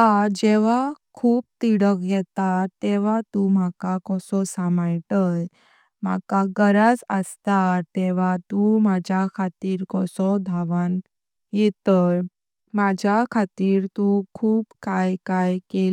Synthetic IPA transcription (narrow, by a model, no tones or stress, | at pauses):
ad͡ʑɛʋ̤akʰuːp̚t̪iɽəkɡɛt̪at̪ːɛʋ̤at̪ũm̤akakɔsɔsamajʈəj | m̤a̰kaɡəɾad͡zəst̪at̪ɛʋ̤at̪ũmad͡ʑʱjakʰat̪iːɾkɔsɔd̪ʱaʋan | jɛt̪əj | mad͡ʑʱjakʰat̪iːɾt̪ũkʰuːpkajkajkel